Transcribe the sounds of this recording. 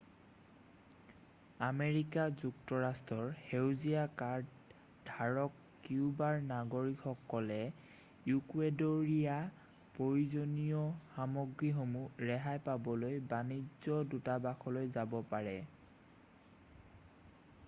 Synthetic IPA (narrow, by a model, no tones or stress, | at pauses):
ameɹikazuktɔɹastɹɔɹhewzijakaɹd | dʱaɹɔkːiubaɹnaɡoɹikxɔkːɔlɛ | jukuedoɹija | pɹoɹuzoniɔxamɔɡɹixomuɹɛɦajpabɔlojbanizɔdutabaxʰɔlojzabɔpaɹɛ